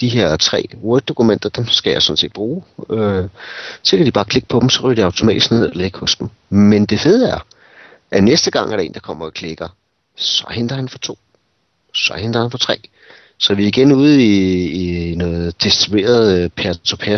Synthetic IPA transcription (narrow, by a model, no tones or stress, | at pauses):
d̥iɦe̝ɐ̰t͡sʰʁɛ̰ːwɔɡ̥̚d̥o̝kʰumen̰d̥ɐd̥emsɡ̥æjɑ̈ɪsɒ̽d̥n̩se̝̰ːd̥̚b̥ʁuːø | sekʰædib̥ɑ̈ːkʰle̝ɡ̥̚pʰɒ̽d̥m̩sɒʁyɐdiɑ̈ʊt͡sʰo̝mɛ̰ːdisɡ̥ne̝ð̞̰ˠeleɡ̥hɔ̽sd̥em̩ | mend̥e̝fe̝ð̞ˠæɐ | ʔænesd̥əɡ̥ɑ̈ŋ̰æɐɾɑ̈e̝̰ːnd̥ɑ̈kʰɒ̽m̰ɐɒ̽kʰle̝ɡ̥ɐ | sɒ̽hend̥ɐhænfɒ̽t͡sʰo̝̰ː | sɒ̽hen̰d̥ʁɐhænfɒ̽t͡sʰʁɛ̰ː | sɒ̽ʋiiɡ̥enuːð̞̩ˠiː | nɔ̽ːð̩ˠd̥e̝sd̥ʁibe̝̰ːɐðˠpʰæɐt͡sʰopʰæ